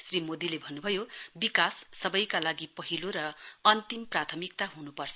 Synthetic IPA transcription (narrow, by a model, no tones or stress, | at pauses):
srimod̪ilebʱʌnːubʱʌjobikasːʌbʌjkalaɡipʌɦiloɾʌʌnt̪imprat̪ʰʌmik̚t̪aɦunupʌrt͡sʰʌ